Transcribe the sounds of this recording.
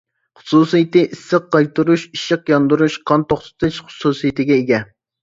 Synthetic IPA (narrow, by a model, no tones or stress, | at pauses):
χʊ̥susijit̪ɨʔisːəqːɑjt̪uɾuʃiʃɪqjɑnd̪uɾuʃqʰɑnt̪oχt̪ʰɨ̥t̪ʰɪʃχʊ̥susijit̪ɪɡʲɛeɡʲɛ